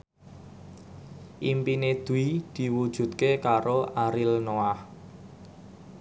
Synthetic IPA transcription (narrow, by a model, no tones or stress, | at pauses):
ʔimpined̪̥ṳid̪̥i̤wud̥ʒ̥ṳt̪̚kekaɾoʔaɾilnoah